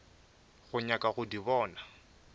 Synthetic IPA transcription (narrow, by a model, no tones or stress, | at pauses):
ɣʊɲakʼaɣʊdiβɔːna